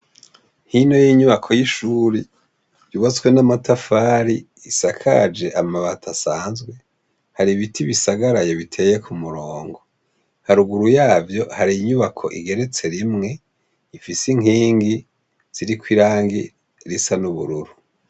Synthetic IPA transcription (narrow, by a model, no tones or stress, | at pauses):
hino̞jiːɲuβakʰo̞jiʃuːɾi | juβat͡swenamatafaːɾi | isakʰa̰d͡ʒe̞ʔamaβatʰasaːnzɡwe̞ | haɾiβitʰiβisaɡaɾajoβitʰe̞je̞kʰumuɾoːŋɡo̞ | haɾuɡuɾujaːvjo̞haɾiɲuβakʰo̞̰ʔḭɡe̞ɾet͡se̞ɾimŋe̞ | ifisiŋiːŋɡi | z̥iɾikwiɾaːŋɡḭ | ɾisanuβuɾuɾu